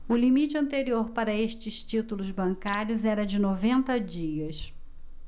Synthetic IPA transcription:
ʊlimit͡ʃɪɐ̃nt̪eɾioɾpaɾɐeʃt͡ʃɪst͡ʃit̪ulʊzbɐ̃ŋkaɾjʊzɛɾɐd͡ʒɪnovẽnt̪ɐd͡ʒiɐs

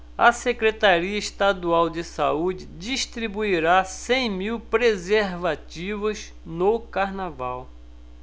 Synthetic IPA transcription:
ɐsekɾet̪aɾiɐiʃt̪ad̪uawd͡ʒɪsa̰ud͡ʒɪd͡ʒiʃt̪ɾibuiɾasẽj̃miwpɾezeɾvat͡ʃivɐz | nokaɾnavaw

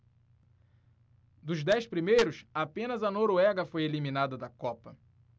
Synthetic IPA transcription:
d̪ʊzd̪ɛjspɾimejɾʊsapẽnɐzɐnoɾoɛɡɐfojelimĩnad̪ɐd̪ɐkɔpɐ

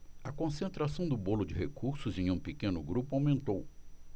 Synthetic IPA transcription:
ɐkõsẽnt̪ɾasɐ̃w̃d̪ʊbolʊd͡ʒɪɦekuɾsʊzẽj̃ũpikẽnʊɡɾupʊawmẽnt̪ow

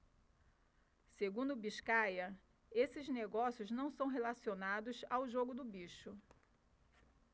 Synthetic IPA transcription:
seɡũnd̪ʊbiʃkajɐ | esɪzneɡɔsjʊznɐ̃w̃sɐ̃w̃ɦelasionad̪ʊsawʒoɡʊd̪ʊbiʃʊ

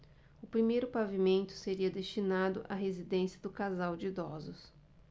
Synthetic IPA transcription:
ʊpɾimejɾʊpavimẽnt̪ʊ̥seɾiɐd̪est͡ʃinad̪ʊ̰ʔɐ̰ɦezid̪ẽsiɐd̪ʊkazawd͡ʒɪd̪ɔzʊs

